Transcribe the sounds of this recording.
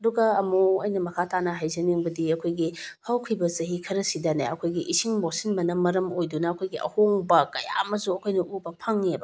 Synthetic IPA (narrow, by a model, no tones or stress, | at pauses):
ɐduɡɐːmoɐjnɐmɐkʰatanɐɦajzɐniŋbɐdiɐkʰojɡihɐwkʰibɐzɐɦikʰɐɾɐsidɐna̰jɐ̰kʰojɡiʔisiŋbosinbɐnɐmɐɾɐmojdunɐːkʰojɡiʔɐ̰hoŋbɐkɐja̰mɐzuɐkʰojnɐʔubɐpʰɐŋːebɐ